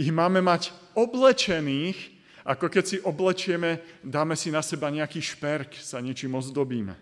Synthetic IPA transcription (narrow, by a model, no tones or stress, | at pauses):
iɦmaːmɛmac | ɔblɛt͡ʃɛniːx | ʔakɔkɛcsiʔɔblɛt͡ʃɪɛmɛd̪aːmɛsinasɛbaɲɛakiːʃpɛɾksaɲɪɛt͡ʃiːmɔzd̪ɔbiːmɛ̰